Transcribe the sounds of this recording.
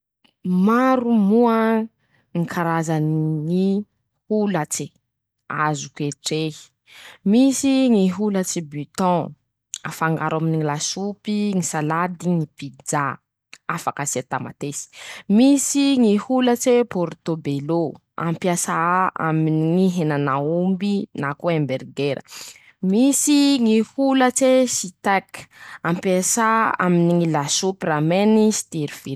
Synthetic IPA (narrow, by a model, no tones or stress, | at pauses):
maɾumuə | ŋikʰaɾazaniŋi | hulat͡se | a̰zukeʈ͡ʂe̥ | misiŋiɦulat͡sibyt̪ɔ̃ | a̰faŋɡaɾaminiilasupiŋisalad̪iŋipid͡za | afakasat̪ama̰t̪esi̥misiŋihulət͡sepoɾt̪obelo | a̰mpjasaa̰miniŋiɦenanaumbinakuembeɾɡeɾə̰ | misiŋihulət͡sesit̪akampjasaaminiŋilasupiramenisi̥t̪eɾiv̥iɾ